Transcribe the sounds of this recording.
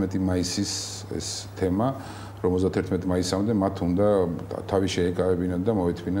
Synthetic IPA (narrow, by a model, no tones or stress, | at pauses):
mɛt̪ʼimaisis | ɛ̰st̪ʰɛma | ɾɔmɔzd̪at̪ʰɛɾt̪ʰmɛt̪ʼmaisamd̪ɛmat̪ʰund̪at̪ʰaviʃɛːkʼaɛbinad̪amɔɛt̪ʰmina